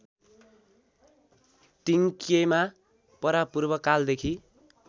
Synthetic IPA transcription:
ʈiŋkema | pʌɾapurbʌkald̪ekʰi

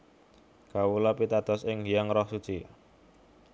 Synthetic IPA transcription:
kawulɔpit̪ad̪̥ɔ̤sɪŋijaŋɾɔhsut͡ʃi

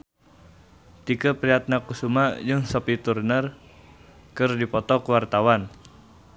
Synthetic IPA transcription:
t̪ikəpɾiat̪̚nakusumajɨŋsɔpit̪urnər | kɨrdipɔt̪ɔkəwart̪awan

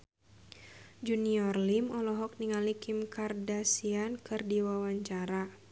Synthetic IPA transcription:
d͡ʒuniɔrlimɔlɔɦɔk̚niŋalikimkardasiankɨrdiwawaɲt͡ʃaɾa

